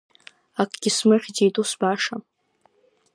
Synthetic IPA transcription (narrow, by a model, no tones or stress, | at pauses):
akʷʼɡ̥ʲismɨχʲdejtʼusbaʂa